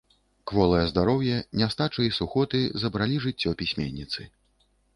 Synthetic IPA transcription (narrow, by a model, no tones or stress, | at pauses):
kvɔlˠɐjɐzd̪aɾɔwjɛnʲast̪at͡ʂɨjisuxɔt̪ɨzɐbɾalʲiʐɨt͡sʲːɔpʲisʲmʲḛnʲːit̪sɨ